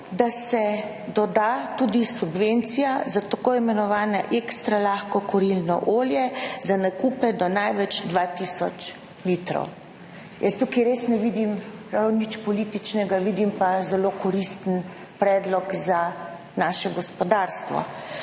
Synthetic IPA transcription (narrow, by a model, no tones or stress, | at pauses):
d̪asɛ | d̪ɔd̪at̪ud̪isubʋent̪sijazat̪akoːimɛnɔʋaːnaʔekst̪ɾalaːxkɔkɔɾilnɔ̰ʔoːljɛzanakuːpɛd̪ɔnajʋɛt͡ʃd̪ʋaːt̪isɔt͡ʃ | lit̪ɾɔ̰w | jəst̪ukiɾesnɛʋid̪imɾawnit͡ʃpɔliːt̪it͡ʃnɛɡaʋid̪impazɛlokɔɾist̪ən | pɾɛːd̪lɔkza | naːʃɛɡɔspɔd̪aːɾst̪ʋɔ̰